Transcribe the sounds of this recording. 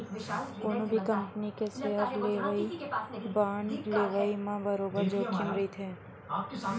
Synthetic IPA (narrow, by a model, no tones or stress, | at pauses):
oːnõbʱikɐ̃mpənikeseɦəɾleːʋəibaːnleːʋəimãbɐɾoːbəd͡ʒoːkʰɪnɾit̪ʰeː